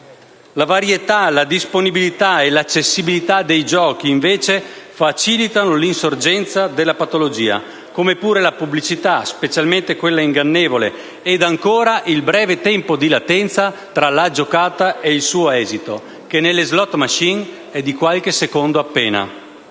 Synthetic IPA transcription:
lavaɾjet̪alad̪isponibilit̪aelat͡ʃːesːibilit̪ad̪ejd͡ʒɔːkiːɱveːt͡ʃefat͡ʃilit̪anolinsord͡ʒɛnt̪sad̪elːapat̪olod͡ʒiːa̰ | komepuːɾelapublit͡ʃit̪aspet͡ʃalment̪ekwelːaiŋɡanːeːvolḛ | ɛd̪aŋkoːɾaʔilbɾɛːvet̪ɛmpod̪ilat̪ɛnt̪sa | t̪ɾalad͡ʒokaːt̪aeilsuːoɛːzit̪o | k̟enelːezlɔt̪ːmaʃiŋ | ɛd̪ikwalk̟esekond̪oapːɛːna̰

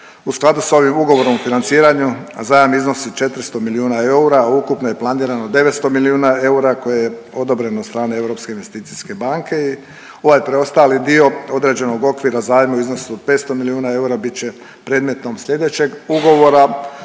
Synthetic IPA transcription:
usklˠad̪uso̞ʋimuɡo̞ʋo̞ɾomfinant̪siːɾaɲuzaːjamizno̞sit͡ʃe̞t̪ɾist̪o̞miliuːnae̞uɾaukupnoje̞plˠaniːɾano̞d̪e̞ʋet̪st̪o̞miliuːnae̞uɾako̞jeje | o̞d̪o̞bɾe̞not̪st̪ɾaːnee̞ʋɾo̞pske̞inʋe̞st̪iːt̪siske̞baŋke̞i | o̞ʋajpɾeo̞st̪aːlid̪io̞o̞d̪ɾe̞d͡ʑe̞no̞ɡo̞kʋiːɾazaːjmauizno̞supe̞ːt̪st̪o̞miliuːnae̞uɾabitt͡ɕe̞ | pɾe̞ːd̪met̪no̞mslʲʎe̞d̪e̞t͡ɕe̞ɡuɡo̞ʋo̞ɾa

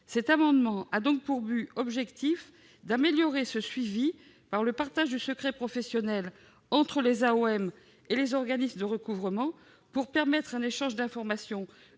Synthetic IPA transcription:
sɛt̪amɑ̃d̪mɑ̃ʔad̪ɔ̃k̚puʁbyɔbʒɛkt̪if | d̪ameljɔʁesəsɥivi | paʁləpaʁt̪aʒd̪ysəkχɛpχɔfɛsjɔnɛl | ɑ̃t̪χəlezaoɛm | elezɔʁɡanismd̪əʁəkuvʁəmɑ̃ | puʁpɛʁmɛt̪χɛ̃neʃɑ̃ʒd̪ɛ̃fɔʁmasjɔ̃

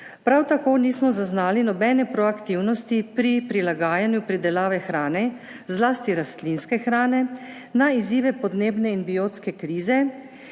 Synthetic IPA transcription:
pɾawt̪akoːniːsmɔzaznaːlinɔbɛnɛpɾɔakt̪iwnɔst̪ipɾipɾilaɡaːjanjupɾid̪ɛlaːʋɛxɾaːnɛ | zlaːst̪iɾast̪linskɛxɾaːnɛ | naiziːʋɛpɔd̪neːbnɛinbioːt̪skɛkɾiːzɛ

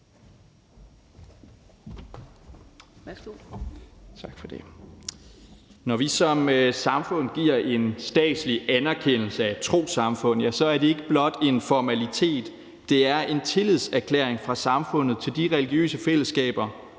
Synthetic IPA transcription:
t͡sʰɑɡ̥fɒd̥e̝ | nɒʋisɒ̽msɑ̈mfɔ̽n̰ɡ̥iɐ̰ʔe̝nsd̥ɛ̰ːd̥sliænæɐkʰen̰l̩səæt͡sʰʁo̝̰ːsɑ̈mfɔ̽n̰̩ˠjæsɒ̽æɐd̥e̝e̝ɡ̥əb̥lɒ̽d̥e̝nfɒmælit͡sʰe̝̰ːd̥ː | e̝æɐe̝nt͡sʰe̝liðˠsæɐkʰlḛɐ̰eŋfʁɑ̈sɑ̈mfɔ̽n̰ð̩ˠt͡sʰe̝ld̥iʁɛliɡ̥jø̰ːsəfel̰əsɡ̥ɛ̰ːb̥ɐ

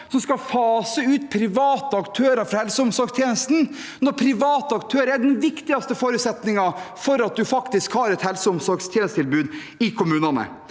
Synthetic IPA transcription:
sɔmskɑfɑːsəʉːt̪̚pʰɾɪʋɑːt̪əɑkt̪ʰøːɾɑfɾɑhɛlsəʊmsɔɾɡst̪ʰjeːnəst̪n̩ | nɔɾpʰɾɪʋɑːt̪əɑkt̪ʰøːɾəɾɛɖ̪ɛnʋɪkt̪ɪɑst̪əfoːɾʉːt̪sɛt̪nɪŋɑfɔɾɑt̪̚d̪ʉfɑkt̪ɪskhɑːɾɛt̪hɛlsəʊmsɔɾɡst̪ʰjɛːnəst̪ʰɪlbʉːd̪ | ɪkʰʊmʉːnɑnə̰

